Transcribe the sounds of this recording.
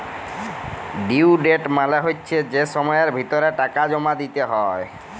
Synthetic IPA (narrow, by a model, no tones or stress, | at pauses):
ɖiwɖeʈmaleɦotːɕʰed͡ʑeʃɔmɔeɾbʱit̪oɾeʈakad͡ʑɔmad̪it̪eɦɔe